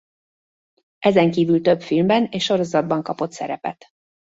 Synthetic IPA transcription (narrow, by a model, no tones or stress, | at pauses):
ʔɛzɛŋkiːvylt̪ø̞bfilmbɛneːʃʃːo̞ɾo̞zɒd̪̚bɒŋkɒpo̞t̪sɛ̰ɾɛpɛ̰t̪